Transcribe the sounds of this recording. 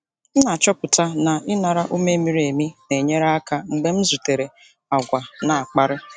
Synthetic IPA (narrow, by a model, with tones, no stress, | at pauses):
na˨t͡ʃɔ˦pʊ˨ta˦na˨ʔɪ˦na˨ɾa˦ʔu˦me˦mi˨˦ɾe˨mi˦ne˨ɲe˦ɾa˦ka˦˨ŋ͡m̩˨ɡ͡be˦m̩˦zu˨te˨ɾe˨ | a˨ɡʷa˨na˨a˨k͡pa˦ɾɪ˦